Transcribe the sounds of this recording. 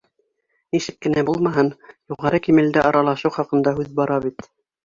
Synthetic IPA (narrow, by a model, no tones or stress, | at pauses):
niʃɘ̆kːɘ̆næbulˠmɑɦɤnjuʁɑɾɤkimɘ̆ld̪ɘʔɑɾɑlˠɑʃɤwχɑqɤ̆nd̪ɑɦʉðbɑɾɑβit̪